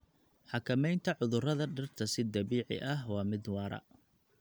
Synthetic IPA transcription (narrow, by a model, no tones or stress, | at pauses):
ħɑkʰɐmɛjnt̪ʰɐʕʊðʊrɐðɐɖɪrt̪ʰɐsɪd̪ɐβiːʕɪ̰ʔɐɦwɑːmɪd̪wɑːɾɐ̰